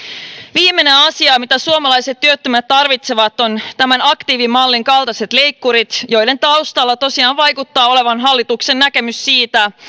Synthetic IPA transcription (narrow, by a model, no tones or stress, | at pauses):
ʋiːmːe̞ne̞ɑsiɑːmit̪æsuomɑlɑjse̞t̪ːyøt̪ːømæt̪tɑrʋit̪se̞ʋɑt̪ːont̪æmænɑkt̪iːʋimɑlːiŋkɑlt̪ɑse̞t̪le̞jkːuɾit̪jo̞jle̞nt̪ɑust̪ɑlːɑt̪o̞siɑːnʋɑjkut̪ːɑːo̞leʋɑnɦɑlːit̪uksennækemysːiːt̪æ